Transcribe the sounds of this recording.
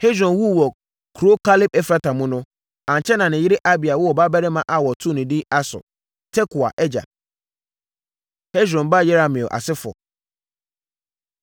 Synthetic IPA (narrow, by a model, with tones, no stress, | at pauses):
he˦d͡ʑɾɔ̃˨nwu˦˨wɔ˨ | kʰɾo˦kʰa˦lɪ˦p̚ɛ˦fɾa˦tʰã˨mʊ̃˦nʊ̃˦ | ã˨ɲ˨t͡ɕʰɛ˦nã˨nɪ̃˨jɪ˦ɾɪ˦ʔa˦bi˨a˨wɔ˦ɔ˨ba˦bɛ˦ɾɪ˦mã˨ʔa˨wɔ˨tʰʊ̃˦˨nʊ̃˨dɪ˦a˦sʊ̰˨ | tʰɛ˦kʰʊ˨a̰˨ʔɛ˦d͡ʑa̰˨ | hɛ˦d͡ʑɾɔ̃˨nba˦˨jɛ˦ɾa˨mɪ̃˨o˨ʔa̰˨sɪ˦fɔ̰˨